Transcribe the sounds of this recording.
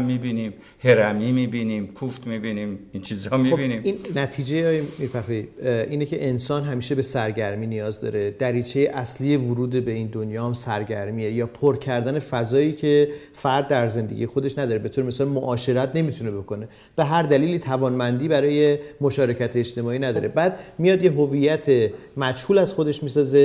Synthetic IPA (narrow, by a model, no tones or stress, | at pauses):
ibiniːm | heɾæmiːmibiniːmkʰuft̪mibinimint͡ʃʰizɒmiobiniminnæt̪ʰiːd͡ʒejeɒːjemifæxɾiiʔiːnecʰe̞ʔensɒːnɦæmiːʃebe̞sæɾɟæɾmiːnijɒːzd̪ɒ̰ːɾe̞d̪̥æɾiːt͡ʃʰe̞jeʔæsliːe̞vuɾuːd̪ebe̞iːnd̪onjɒːhæmsæɾɟæɾmiːejɒːpʰoɾcʰæɾd̪æne̞fæzɒːiːcʰe̞ | fææɾd̪ːæɾze̞nd̪eɟḭje̞xo̞d̪e̞ʃnæd̪ɒːɾebet̪ʰoɾemesɒːlmoʔɒːʃe̞ɾæt̪ʰne̞mit̪ʰune̞bo̞kʰo̞ne̞ | b̥e̞ɦæɾd̪æliːliːt̪ʰævɒːnmænd̪iːbæɾɒːje̞mo̞ʃɒːɾe̞cʰæt̪ʰeed͡ʒt̪e̞mɒːiːnæd̪ɒ̰ːɾe̞bæːd̪mijɒːd̪jeɦovijːæt̪ʰemæd͡ʒhuːlæz̥xod̪e̞ʃmiːsɒːze̞